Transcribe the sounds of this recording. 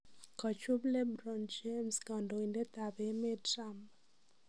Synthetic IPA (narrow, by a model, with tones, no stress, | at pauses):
kɔ˨t͡ʃʊ˦blɛ˦bɾɔ˨nd͡ʒe˦mska˨ndo˨i˨nde˦t̪a˨bɛ˨mɛ˦tɾa˦mp